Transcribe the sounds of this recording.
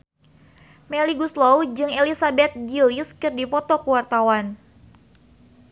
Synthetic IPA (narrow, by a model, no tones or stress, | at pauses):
mɛliɡuslowd͡ʒɨŋelisabɛt̪̚ɡiliskɨrdipɔt̪ɔkuwart̪awan